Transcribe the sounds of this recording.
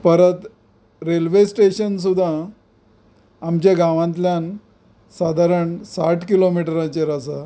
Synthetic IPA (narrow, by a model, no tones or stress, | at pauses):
pəɾət̪ | ɾelʋesʈeɕəns̬ud̪ʱːã | mt͡ɕjaɡãʋãnt̪ljan | sad̪ʱaɾəɳsaʈʰkilomiʈəɾãt͡ɕeɾasa